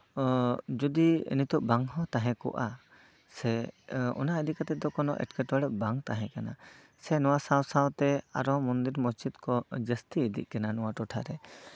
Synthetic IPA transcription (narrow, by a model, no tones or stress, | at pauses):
d͡ʒud̪iə̰nit̪ɔʔbaŋɦɔ̃t̪aɦɛ̃kɔ̰ʔa | sɛɔ̰naəd̪ikat̪ɛd̪ɔkɔnɔ̰ʔɛ̰ʈkɛʈwaɽɛʔ̚baŋt̪aɦɛ̃kana | sɛnɔwasawsawt̪ɛa̰ɾɔmɔnd̪iɾmɔst͡ʃit̪kɔd͡ʒəst̪iːd̪ḭʔ̚kɛnanɔwaʈɔʈʰaɾɛ